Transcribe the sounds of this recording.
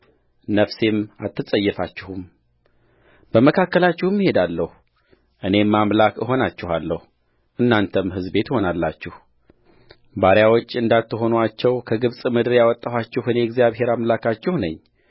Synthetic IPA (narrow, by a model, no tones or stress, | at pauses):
nəfse̞ma̰t̪ʰːɨsʼəjːɛfat͡ʃːɪhum | b̥əməkʰakːəlat͡ʃːɪhɨmihe̞d̪alːəhu | ʔɨne̞mːamlakəɦo̞nat͡ʃːɪhalːəhu | ʔɨnːant̪ʰəmɦɨzbe̞t̪ho̞nalːat͡ʃːɪh | baɾjawo̞t͡ʃːɨnd̪at̪ːɨɦo̞nwat͡ʃːɛwkʰəɡɨβsʼmɨd̪ɨɾjawɔt̪ʼːahat͡ʃːɛhɨneɛɡzjaβɦe̞ɾamlakʰat͡ʃːɛhnəɲː